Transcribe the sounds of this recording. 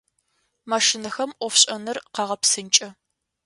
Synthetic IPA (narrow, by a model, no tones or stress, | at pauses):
maʂɪnɨxɐmʔʷɔfɕʼɐnɨrqɑʁɐpsɨnt͡ʃʼɐ